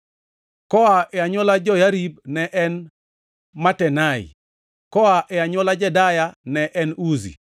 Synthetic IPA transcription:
kɔaʔɛaɲɔlad͡ʒɔjaɾibnɛʔɛn | matɛnaḭ | kɔaʔɛaɲɔlad͡ʒɛdajanɛʔɛnuzḭ

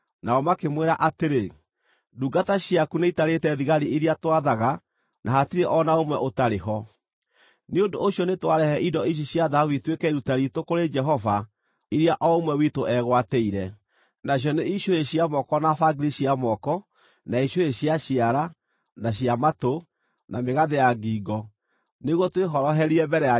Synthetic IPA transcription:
naɔmakemweɾaʔateɾe | duɡataɕiakuneitaɾetɛðiɣaɾiiɾiatwaðaɣa | nʔaɦatiɾeʔɔnaomwɛʔotaɾeɦɔ | neondoːɕjɔnetwaɾɛhɛʔidɔiʃ̬iɕjaðawitwekɛiɾutaɾitokoɾed͡ʒɛɦɔva | iɾiaʔɔomwɛwitoʔɛɣwatɛiɾɛ | najɔneiɕoeɕiamɔkɔnafaɡiɾiɕiamɔkɔ | naiɕoeɕiaɕiaɾa | naɕiamato | nameɣaðejaɡiːɡɔ | neɣwɔtweɦɔɾɔɦɛɾiɛmbɛɾɛa

